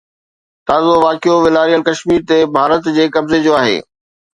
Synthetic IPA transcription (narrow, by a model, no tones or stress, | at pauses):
t̪aːzoʋaːkijoʋɪlaːɾijəlkɐʃmiːɾt̪ebʱaːɾət̪d͡ʑeːkɐbzed͡ʑoːaːɦḛː